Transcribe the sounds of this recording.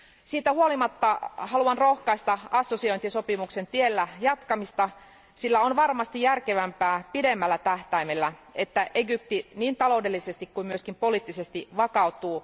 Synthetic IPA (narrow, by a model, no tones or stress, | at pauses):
siːt̪æhuolimɑt̪ːɑhɑluɑnro̞hkɑist̪ɑɑsːosioint̪iso̞pimukse̞nt̪ielːæjɑt̪kɑmist̪ɑ | silːæonʋɑrmɑst̪ijjærkeʋæmpæːpidemːælːæt̪æht̪æimelːæet̪ːæʔeɡyp̚t̪iniːnt̪ɑlo̞ude̞lːisest̪ikkuimyøskimpo̞liːt̪ːisest̪iʋɑkɑut̪uː